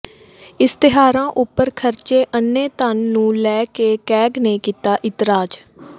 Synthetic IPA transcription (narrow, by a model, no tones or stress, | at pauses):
ɪst̪ɪɦaːɾãːʔʊpːəɾkʰəɾt͡ʃeːʔənːeːt̪ənːũːlɛːkeːkɛːɡneːkiːt̪aːʔɪt̪ɾaːd͡ʒ